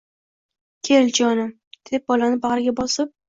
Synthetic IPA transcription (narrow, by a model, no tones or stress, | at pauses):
kʲʰeld͡ʒɒnɪ | d̪̥ep̚bɒlanɪbaʁɾɪɡʲabɒsɪp̚